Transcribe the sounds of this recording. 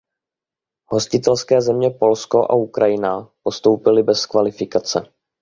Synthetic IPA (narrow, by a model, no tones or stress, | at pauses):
ɦo̞scɪt̪ɛlskɛːzɛmɲɛpo̞lsko̞ʔa̰ukɾʔajɪnapo̞st̪o̞wpɪlɪbɛskvalɪfɪkat͡sɛ̰